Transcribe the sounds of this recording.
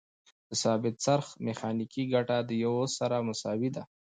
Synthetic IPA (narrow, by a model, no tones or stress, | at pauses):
d̪̥əsɑbɪt̪saɾxmexɑnikiɡaʈad̪əjawosaɾamʊsɑwid̪a